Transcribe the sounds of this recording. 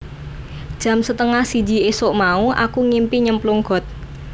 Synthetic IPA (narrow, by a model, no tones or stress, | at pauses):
d̥ʒ̥ä̤msət̪əŋahsi̥d͡ʒi̤esoʔmauʔa̰kuŋimpiɲəmpluŋɡ̥ɔ̤t̪̚